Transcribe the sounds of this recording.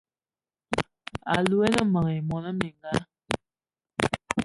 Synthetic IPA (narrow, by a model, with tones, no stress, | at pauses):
a̰˨lu˦e˦nə˦mə˨ŋe˨mɔ˨nə˦mi˨ŋɡa˦